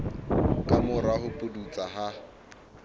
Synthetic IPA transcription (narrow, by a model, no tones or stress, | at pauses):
kʼamʊɾahʊpʼʊdut͡sʼaɦa